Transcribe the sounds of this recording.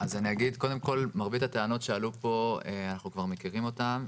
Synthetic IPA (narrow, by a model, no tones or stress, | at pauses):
azaniaɡid̪ko̞de̞mko̞lmaʁbit̪ateano̞tʃealupo̞eanaχnukvaʁme̞kiʁimo̞tam